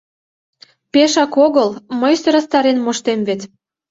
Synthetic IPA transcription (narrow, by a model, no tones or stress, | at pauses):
peʃɑkoɣəlməjsə̆ɾəst̪ɑɾenmoʃt̪emvet̪